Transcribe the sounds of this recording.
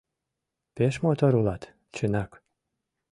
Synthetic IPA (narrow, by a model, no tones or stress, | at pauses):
peʃmot̪oɾulɑt̪ | t͡ɕənɑk